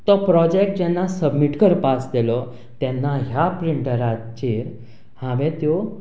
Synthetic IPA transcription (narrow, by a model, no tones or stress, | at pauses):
t̪ɔpɾɔd͡ʑek̚ʈ̚d͡ʑɛnːasəbmiʈkəɾpasd̪elɔ | t̪jɛnːaɦjapɾiɳʈəɾat͡ɕeɾ | hãʋẽt̪jɔ